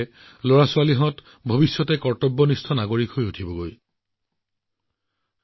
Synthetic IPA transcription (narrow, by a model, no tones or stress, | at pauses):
loɹasʊwaliɦɔt | bʱobisjɔtɛkɔɹtɔbːɔnistʰɔnaɡoɹikhojutʰibɔɡoj